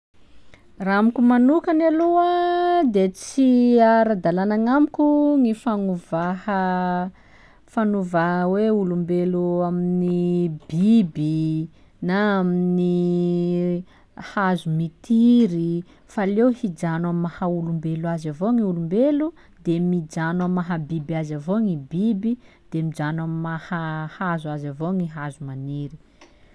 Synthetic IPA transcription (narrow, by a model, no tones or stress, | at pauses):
raamikʲumanukanaluəd̪et͡siaɾad̪alanaŋamikʲuŋifanuvahə | fanuvaɦweulumbeluaminibibi | naamini | hazumit̪iɾi | falewhid͡ʒanammːahaulumbeluazavoŋiulumbelu | d̪emid͡ʒanamːaɦabibiazavoŋibibi | d̪̥emid͡ʒanamimahahazuazavoŋiɦazumaniɾi̥